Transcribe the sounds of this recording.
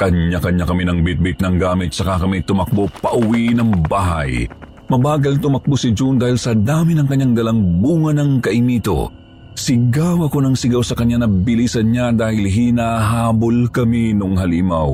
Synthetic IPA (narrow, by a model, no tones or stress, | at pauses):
kɐɲɲakɐɲːakɐminɐŋbɪt̪̚bɪt̪̚nɐŋɡaːmɪt̪̚sɐkakɐmit̪ʊmɐk̚bopɐʔʊwiʔnɐŋbaːɦɐ̰j | mɐbaːɡɐlt̪ʊmɐk̚bosɪd͡ʒund̪aːhilsɐd̪aːmɪnɐŋkɐɲːaŋd̪ɐlaŋbuːŋɐnɐŋkɐʔɪmiːt̪o̰ | sɪɡaːwɐkonɐŋsɪɡawsɐkɐɲːanɐbɪlisɐnɲad̪aːhɪlɦinaːɦaːbolkɐminʊŋɦalɪmaw